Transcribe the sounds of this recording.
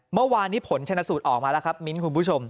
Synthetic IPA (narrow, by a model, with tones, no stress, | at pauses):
mɯ˥˩˨waː˧nːiː˦˥pʰo˩˦nt͡ɕʰa˧nːa˦˥suː˨˩t̪̚ʔɔː˨˩k̚maː˧lɛ˦˥kʰa˦˥p̚mi˦˥nkʰu˧npʰu˦˥t͡ɕʰo˧m